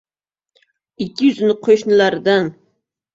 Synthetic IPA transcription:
ɪkʲʰːɪjʏzɪnɪqʰoʃnɪlaɾɪd̪an

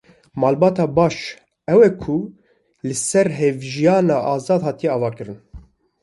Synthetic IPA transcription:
mɑːlbɑːt̪ɑːbɑːʃ | ɛwɛkʰu | lɨsɛɾɦevʒijɑːnɑːʔɑːzɑːd̪hɑːt̪ijɛɑːvɑːkɨɾɨn

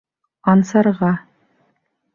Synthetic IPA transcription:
ɑnsɑɾʁɑ

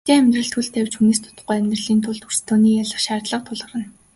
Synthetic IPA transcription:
t̪eːæmʲt̪rə̆ɬt̪xuɬt̪ːæwt͡ɕxuneːst̪ʰʊ̥t̪ə̥̆χujæmʲt̪rə̆ɮiːnt̪ʰʊɮt̪ur̥st̪ʰoːniːjaɮə̆χʃaːrt̪ɮə̆q̚t̪ʰʊɮʁə̆rə̆n

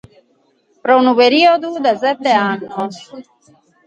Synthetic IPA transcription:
pɾonubeɾiod̪ud̪ɐzet̪eaːno

